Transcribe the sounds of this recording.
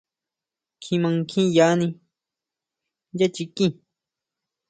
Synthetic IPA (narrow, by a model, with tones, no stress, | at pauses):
kʰĩ˧mã˧ŋkʰĩ˦ja˨˧˦nĩ˧ | ja˦t͡ʃi˧kĩ˦˧˨